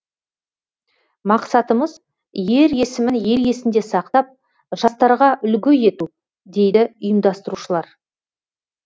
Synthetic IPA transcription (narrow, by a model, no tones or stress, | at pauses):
mɑqsɑt̪əməz | je̞ɾe̞sɪmɪnje̞ɾje̞sɪnd̪e̞sɑq̚t̪ɑp̚ | ʒ̥ɑst̪ɑɾʁɑʔʏlɡʲɪje̞t̪u | d̪e̞jd̪ɪʊjəmd̪ɑst̪əɾuʃəlˠɑɾ